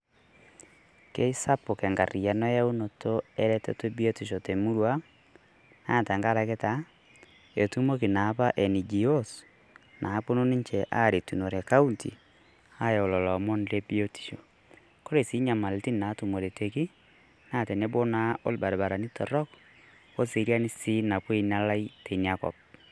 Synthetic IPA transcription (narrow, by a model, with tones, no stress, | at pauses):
ke˦i˦sa˦po˨kɛ˨ŋɡa˨ri˨ja˨nɔ˦ja˦u˦no˨tʰo˦e˦ɾɛ˦tḛ˦to˦bi˦o˦ti˨ʃo˨te˨mu˦ɾwa˦ | na˦˨ta˨ŋɡa˦ɾa˨ke˦ta˨ | e˨tu˦mo˦ki˨na˨˦pa˦ʔe˨ni˨d͡ʒi˨o˦s | nʔa˨˦po˦no˦ni˦ɲt͡ʃe˨ʔa˦ɾi˨tu˨no˨ɾe˨ka˦u˦ntḭ˨ | a˦jo˨lɔ˨lɔ˨mo˦nde˦bi˦o˦ti̥˨ʃo˨ | ko˦ɾe˨si˦ɲa˨ma˨le˨ti˦n˨na˨˦tu˨mo˨ɾe˨te˨ki˦ | na˦˨te˨ne˦bo˦na˦o̰˦lba˨ɾβa˨ɾa˨ni˦tɔ˨ɾɔ˦k | o˦si˨˦ɾi˦a˦ni˦si˦na˨pwe˦ina˦la˦i˦te˨ni˨a˦kɔ̰˨p̚